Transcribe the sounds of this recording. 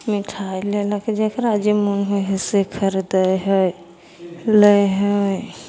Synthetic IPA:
miʈʰajlelaked͡ʒekɾad͡ʒemunɦoɦesekʰəɾd̪əɦəj | ləjɦəj

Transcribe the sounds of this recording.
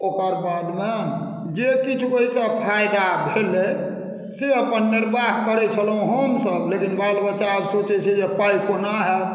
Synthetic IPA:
okəɾbad̪me | d͡ʒekit͡ʃʰuoɦisə̃pʰajd̪abʱele | seəpənːiɾbaɦkəɾɛt͡ʃʰəlɦũɦəmsəblekinbalbətːʃaːbsot͡ʃɛt͡ʃʰid͡ʒepajikonaɦɛ

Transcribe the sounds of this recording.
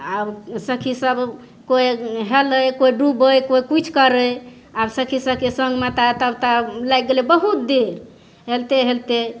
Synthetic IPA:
absəkʰisəb | kojɦeləjkoiɖubəjkoikut͡ʃʰkəɾəj | absəkʰisəb̚kesəŋɡmat̪at̪əbt̪alajk̚ɡelebəɦut̪̚d̪eɾ | ɦelt̪eɦelt̪e

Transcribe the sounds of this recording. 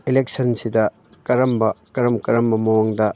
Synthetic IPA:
ilek̚sɐnsidɐ | kɐɾɐmbɐkɐɾɐmkɐɾɐmbɐmɐwoŋdɐ

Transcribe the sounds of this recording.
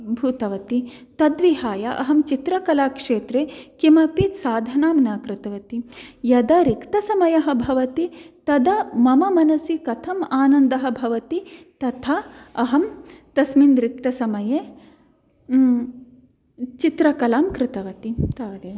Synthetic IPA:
bʱut̪ɐʋɐt̪it̪ɐd̪ʋiɦaːjɐʔɐ̰ɦɐmt͡ʃit̪ɾɐkɐlaːkʂeːt̪ɾeːkimɐpit̪saːd̪ʱɐnaːmnaːkɾɪt̪ɐʋɐt̪ijɐd̪ɐɾikt̪ɐsɐmɐjɐɦɐbʱɐʋɐt̪it̪ɐd̪ɐmɐmɐmɐnɐsikɐt̪ʰɐmaːnɐnd̪ɐɦɐ̆bʱɐʋɐt̪it̪ɐt̪ʰaɐɦɐmt̪ɐsmind̪ɾik̚t̪ɐsɐmɐje | t͡ʃit̪ɾɐkɐlaːmkɾɪt̪ɐʋɐt̪it̪aɐt̪

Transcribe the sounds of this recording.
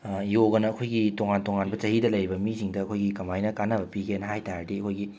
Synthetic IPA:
joɡɐnɐːkʰojɡitoŋantoŋanbɐt͡ʃɐɦidɐlɐjɾibɐmisiŋdɐɐkʰojɡikɐmajnɐkanɐbɐpiɡenɦajtaɾdeɐkʰojɡi

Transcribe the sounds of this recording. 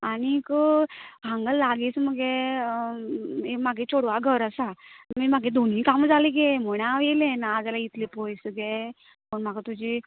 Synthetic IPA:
añikəkãŋɡəlːaɡiːt͡sməɡe | emaɡʱet͡soɽʋaɡʱəɾəsamimaɡʱed̪ʱonikamd͡zʱaliɡem̤əɽ̃aʋelẽnaːd͡zalait̪lepɔjsɡe | pəɳm̤aɡat̪ud͡ʑi

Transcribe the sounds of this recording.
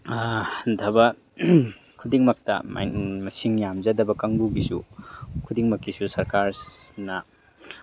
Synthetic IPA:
dʱɐbɐ | kʰudiŋmɐk̚tɐ̰m̰mɐsiŋjamzɐdɐbɐkɐŋbuɡisṵkʰudiŋmɐkːisusɐɾkaɾ | nɐ

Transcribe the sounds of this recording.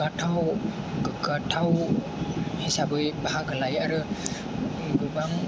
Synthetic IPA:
atʰaw | ɡɯɡatʰaw | hisabɯjbaɦaɡəlajaɾɯ | ɡɯbaŋ

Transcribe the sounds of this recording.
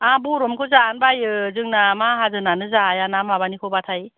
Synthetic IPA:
abuɾɔmkʰɯzaːnbajɯzɯŋnamaɦazɯnanɯzajanamabanikʰɔbatʰaj

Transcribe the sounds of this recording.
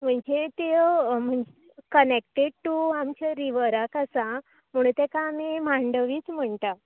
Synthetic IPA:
m̤əɳd͡ʑet̪em̤əɳd͡ʑe | kənek̚ʈeɖ̚ʈuamt͡ɕaɾiʋəɾakasã | m̤uɽ̃t̪ekaːmimãɳɖəʋiːt͡sm̤əɳt̪a

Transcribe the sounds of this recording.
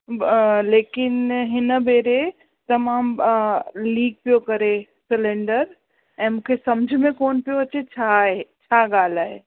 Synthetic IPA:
leːkɪnɦɪnəbeːɾe | t̪ɐmaːm | liːɡ̚pijokɐɾe | sɪlẽːɳɖəɾ | ɛ̃ːmũkʰesɐmd͡ʑʱmẽkoːnpijoɐt͡ɕet͡ɕʰaɦet͡ɕʰaɡaːlaːɦe

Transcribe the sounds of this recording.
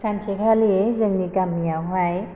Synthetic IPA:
sant͡ɕʰekʰaliezəŋdikamːiawɦaj

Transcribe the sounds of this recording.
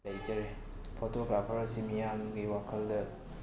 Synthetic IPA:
ɐjd͡ʒɐɾe | pʰotoɡɾapʰɐɾɐsimijamɡiwakʰɐldɐ

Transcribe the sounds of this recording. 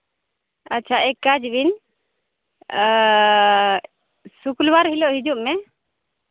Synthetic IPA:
aːt͡ʃʰaɛkːad͡ʒwin | sukulwaɾɦilɔʔɦid͡ʒuʔmɛ

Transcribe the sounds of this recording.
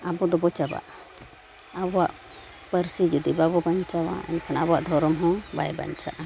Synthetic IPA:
abɔd̪ɔbɔt͡ʃaba̰ʔ | abɔwa̰ʔ | pəɾsid͡ʒɔd̪ibabɔbaɲt͡ʃawa̰ɛ̰nkʰanabɔwaʔd̪ʱɔɾɔmɦɔ̃ba̰jba̰ɲt͡ʃa̰ʔ

